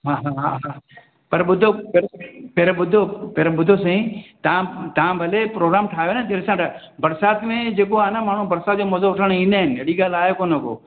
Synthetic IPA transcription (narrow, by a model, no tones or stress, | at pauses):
ɦãːɦaɦaɦã | pɐɾɓʊd̪ʱopeɾpeɾbʊd̪ʱopeɾebʊd̪ʱosɐ̃ĩt̪ɐãt̪ɐʋãbʱɐlepɾoːɡɾaːmʈʰaːɦjoɦnad͡ʑɐɾesãʈa | bɐɾsaːt̪mẽd͡ʑeːkoaːnamaːɳ̤ũbɐɾsaːt̪̚d͡ʑoːmɐzoʊʈʰəɽ̃ĩːnd̪aːɦɪnɪ̆ɦeɽiɡaːlaːekoːnɐko̰ː